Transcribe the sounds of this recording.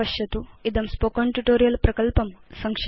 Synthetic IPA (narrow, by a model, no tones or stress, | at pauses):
ɐʃjɐt̪uid̪ɐmspokɐɳʈuʈoːɾijɐlpɾɐkɐlpɐmsɐŋkʂ